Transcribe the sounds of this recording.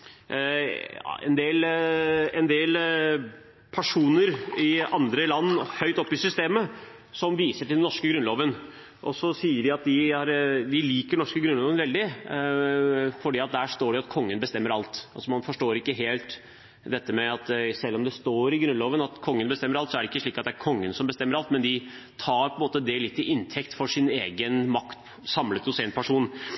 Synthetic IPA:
ɛ̰nd̪eːl | ɛnd̪eːl | pʰæʂuːnəɾɪɑnd̪ɾəlɑnːhœʏt̪ɔpːɪsʏst̪eːmə | sɔmʋiːsəʈʰɪlɛnɔʂkəɡɾʉnloːʋən | ʔɔsɔsiːəɖɪɑt̪̚d̪ɪhɑɾd̪ɪliːkəɳɔʂkəɡɾʉnloːʋənʋɛld̪ɪ | fɔɖiːɑt̪̚d̪æːʂt̪oːɖɪɑt̪kʰɔŋːənbəst̪ɛmːəɾɑlt̪ɑ̰lsɔmɑnfɔʂʈoːɾɪkːəɦeːlt̪ | d̪ɛt̪ːəmɛɑt̪sɛlːɔmd̪ɛst̪oːɾɪɡɾʉnloːʋənɑt̪kʰɔŋːənbəst̪ɛmːəɾɑlt̪sɔæɖɛɪkːəʂɭiːkɑt̪̚d̪ɛæɾkʰɔŋːənsɔmbəst̪ɛmːəɾɑlt̪mɛnd̪ɪ | t̪ʰɑːɾpʰɔəmoːt̪əd̪ɛlɪt̪ːɪʔɪnt̪ʰɛkt̪fɔʂɪneːɡənmɑkt̪ | sɑmlət̪ʊsɛːnpʰæʂuːn

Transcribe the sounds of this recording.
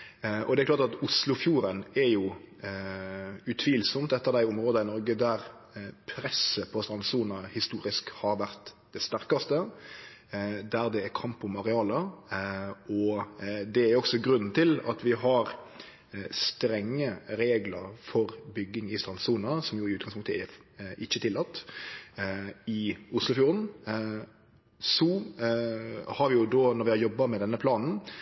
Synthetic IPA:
ʔɔ̰d̪ɛɾklɑɾt̪ɑt̪ʊslʊfjuːɾənɛɾjʊ | ʉt̪ʰʋiːlsɔmt̪ɛt̪ːəɾd̪æɪʊmɾoːd̪ɑɪnɔɾɡəd̪æɾ | pʰɾɛsəpʰɔst̪ɾɑnsuːnɑhɪst̪uːɾɪskhɑɾʋæɾt̪ | d̪ɛst̪æɾkɑst̪ə | d̪æɾd̪ɛːɾkʰɑmpːɔmɑɾɛɑːlə | ɔd̪ɛæɾjɔksɔɡɾʉnːn̩t̪ʰɪlɑ̰t̪ʋɪɦɑɾ | st̪ɾɛŋːəɾeːɡləɾfɔɾbʏɡːɪŋɪst̪ɾɑnsuːnɑsɔmjʊɪʉːt̪ɡɑŋspʊŋt̪əæɪçːət̪ʰɪlːɑt̪ː | ɪʊslʊfjuːɾən | sɔ | hɑɾʋɪjʊd̪oːnɔɾʋɪhɑɾjɔbːɑmɛd̪ɛnːəpʰlɑːnn̩

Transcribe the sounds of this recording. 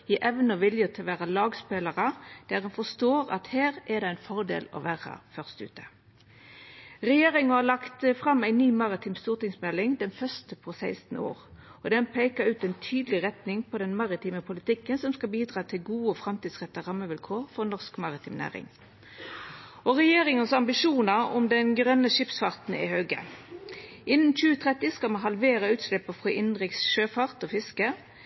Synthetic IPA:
jiʔɛʋnəʋɪljət̪ʰɪlʋæːʁɑlɑːɡspeːləʁəd̪̥æːʁɛnfɔst̪oːʁɑ̰t̪heːʁɛd̪ɛæɪnfɔʁd̪ḛːlɔ̰ʋæːʁɑ̰fœʁst̪ʉ̰ːt̪ə̥ | ʁɛjeːʁɪŋəhɑlɑkt̪əfʁɑmːæɪnyːmɑʁɪt̪ʰiːmst̪uːʁt̪ɪŋsmɛlɪŋd̪ɛnfœst̪əpʰɔsæɪst̪n̩o̰ːʁɔd̪ɛnpʰeɪkəɾʉːt̪ɛɪnt̪ʰyːd̪əlɪʁɛt̪nɪŋpʰɔd̪ɛnmɑʁɪt̪ʰiːməpʰʊlɪt̪ɪkːənsɔmskɑbiːd̪ʁɑːt̪ʰɪlɡuːəɔːfʁɑmt̪iːd̪sʁɛt̪ːɑʁɑmːəʋɪlkʰoːʁfɔʁnɔʁskmɑʁɪt̪ʰɪːmnæ̰ːʁɪ̰ŋ | ʔɔʁɛjeːʁɪŋənsɑmbɪʂuːnəʁɔ̰md̪ɛnɡʁœnəʂɪpsfɑʁt̪n̩ɪ̰høːɡə̰ | ʔɪnn̩c͡çʉːət̪ʰʁɛt̪ːɪskɑmɑnɦɑlʋeːʁəʉːt̪slɪpːəfʁɔʔɪnʁɪksʃøːfɑʁt̪ɔːfɪskə

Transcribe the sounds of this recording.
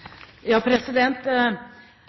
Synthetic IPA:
jɑːpʰɾɛsɪd̪ɛnt̪

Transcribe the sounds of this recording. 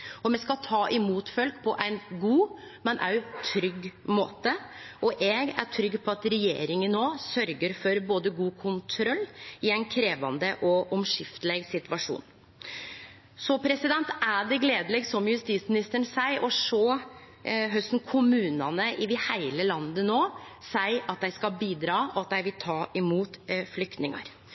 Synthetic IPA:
ɔmɛskɑt̪ʰɑːʔɪmuːt̪fœlkpʰɔʔæɪnɡuː | mɛnʔæ̰ɾt̪ʰɾʏɡːmo̰ːt̪əʔɔʔɛɡæ̰ʈʰɾʏɡːpʰɔɑt̪ɾɛjḛːɾɪŋənnoːsœɾɡəɾfɔɾboːd̪əɡuːkʰʊnt̪ʰɾɔlːɪæɪnkʰɾeːʋɑnd̪əʔɔʔɔmʂɪft̪əlɛɡsɪt̪ʋɑʂṵːn | sɔpʰɾɛsɪd̪ɛnt̪æɖɛɡleːd̪əlɛɡsɔmjʉst̪iːt̪smɪnɪst̪əɳsæɪʔɔʂɔ | ɦœst̪n̩kʰʊmʉːnɑnəʔɪʋɪhæɪləlɑnd̪ənoːsæɪɑt̪̚d̪ɛɪskɑlbiːd̪ɾɑːɔɑt̪̚d̪æɪʋɪlt̪ʰɑːʔɪmuːt̪flʏk̚t̪nɪŋɑ̰ɾ

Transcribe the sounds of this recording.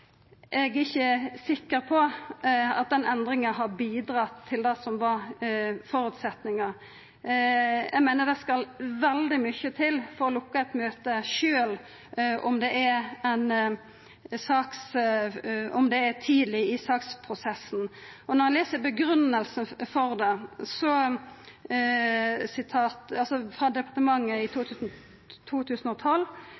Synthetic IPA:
ʔɛɡɪçːəsɪkːəɾpʰɔ | ɑt̪̚d̪ɛnɛnd̪ɾɪŋəɦɑbiːd̪ɾɑt̪ʰːɪld̪ɛsɔmʋɑɾfɔɾʉt̪sɛt̪nɪŋəɾ | ɛɡmæɪnəd̪ɛskɑlʋɛld̪ɪmʏçət̪ʰɪlfɔɾɔlʊkːəɛt̪møːt̪əʃøːl | ʔɔmd̪ɛʔæɾɛn | sɑːks | ɔmd̪ɛːt̪ʰiːd̪lɪɪsɑːkspʰɾʊsɛsːn̩ɔnɔʁɛleːsəbəɡɾʉnəlsən̩fɔʁd̪ɛsɔ | sɪt̪ʰɑːt̪ɑlsɔfɾɑd̪ɛpɑɾt̪əmɑŋːəɪt̪ʰuːt̪ʰʉːsn̩ | t̪ʰuːt̪ʰʉːsnɔt̪ʰɔlː

